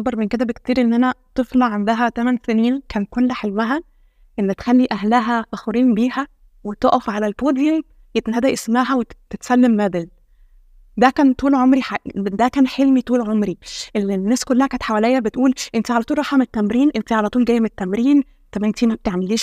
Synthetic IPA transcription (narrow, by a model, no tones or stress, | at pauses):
bɑɾˤmenked̪æbekt̪iːɾiʔenːʔænæt̪ˤɨflɑʕand̪æɦæt̪æmænseniːnkæːnkolːæħelwæɦæ | ʔenːæt̪xælːiʔæhlæɦæfæxɾiːmbiːhæ | wet̪ˤoʔɑfʕalælpoːd̪jom | jet̪næːd̪æʔesmæɦæwet̪et̪sælːemːæːd̪el | d̪ækæːnt̪uːlʕomɾiħaʔd̪ækæːnħelmit̪uːlʕomɾiʔelnːæːskolːæhækæːnet̪ħawælejːæbet̪ʔuːlʔent̪iʕalæt̪uːlˤɾˤɑħɑmet̪ːæmɾiːnʔent̪iʕalæt̪ˤuːlɡæjːmet̪ːæmɾiːn | t̪æbæʔent̪imæb̚t̪eʕmeliːʃ